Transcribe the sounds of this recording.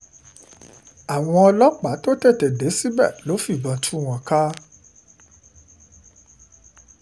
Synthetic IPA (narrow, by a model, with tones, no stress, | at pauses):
a˨w̃ɔ̃˧ɔ˧lɔ˦k͡pa˨˦to˦tɛ˦˨tɛ˨de˨˦si˦bɛ̰˦˨lo˨˦fi˦˨bã˨tʰu˦˨w̃ã˨ka˦